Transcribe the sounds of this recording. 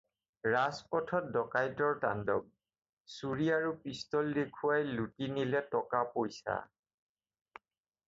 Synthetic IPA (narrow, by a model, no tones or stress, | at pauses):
ɹaspɔtʰɔt̚dɔkajtɔɹta̰ndɔ̰b̚ | suɹiaɹupistɔldekʰuwajlutinilɛtɔkapojsa̰